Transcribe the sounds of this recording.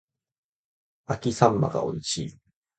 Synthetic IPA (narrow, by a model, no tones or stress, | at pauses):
akʲisãmːa̰ɡa̰o̞̰it͡ɕiː